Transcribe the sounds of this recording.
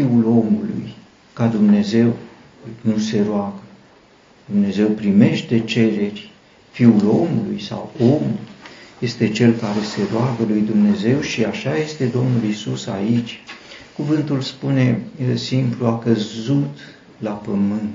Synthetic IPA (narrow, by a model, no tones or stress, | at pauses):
fiulo̞mulṵj | kad̪umne̞ze̞w | nuse̞ɾoaɡə | d̪̥umne̞ze̞wpɾime̞ʃt̪e̞t͡ʃe̞ɾe̞rʲ | fiulo̞mulujsa̰wo̞mujje̞st̪e̞t͡ʃe̞lkaɾe̞se̞ɾoaɡəlujd̪umne̞ze̞wʃiaʃaje̞st̪e̞d̪o̞mnulisusa̰it͡ʃʲkuvɨnt̪ulspune̞simpluakəzut̪ | lapəmɨnt̪